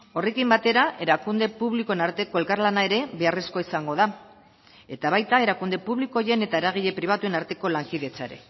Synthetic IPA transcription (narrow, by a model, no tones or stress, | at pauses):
o̞re̞kimbat̪e̞ɾaʔe̞ɾakund̪e̞puβlikoenaɾt̪e̞ko̞e̞lkarlanae̞ɾe̞βe̞are̞sko̞isaŋɡo̞ð̞a | e̞t̪aβ̞ajt̪ae̞ɾakund̪e̞puβliko̞je̞ne̞t̪aeɾaɣ̞iʎe̞pɾiβat̪ue̞naɾt̪e̞ko̞laŋkiðe̞t͡saeɾe̞̰